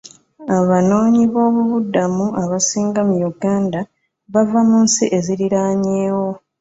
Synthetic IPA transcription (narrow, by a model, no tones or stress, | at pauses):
aβano̞ːɲiβo̞ːβuβudːamuʔaβasiːŋɡamujuɡaːnda | βavamunsiʔe̞ziɾiɾaːɲeːwo̞